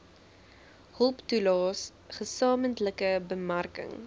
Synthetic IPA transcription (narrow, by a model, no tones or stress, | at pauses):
hɔlˠptulɑːs | χəsɑːməntləkəbəmarkə̰ŋ